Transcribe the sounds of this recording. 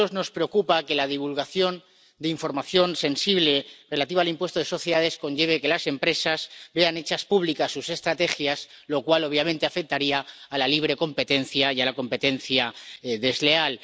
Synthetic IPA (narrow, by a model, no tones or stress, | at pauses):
ozno̞spɾe̞o̞kupake̞lað̞iβ̞ulɣaθjo̞n | d̪eiɱfo̞ɾmaθjo̞nse̞nsiβ̞le̞re̞lat̪iβaːlimpwe̞st̪oð̞e̞so̞θjeðaðe̞sko̞nʝe̞β̞e̞ke̞lase̞mpɾe̞sazbe̞ane̞t͡ʃaspuβ̞likasːuse̞st̪ɾat̪e̞xjaz | lo̞kwalo̞β̞jamẽnt̪e̞afek̚t̪aɾiaːlaliβ̞ɾe̞ko̞mpe̞t̪e̞nθjajalako̞mpe̞t̪e̞nθjaðe̞zle̞al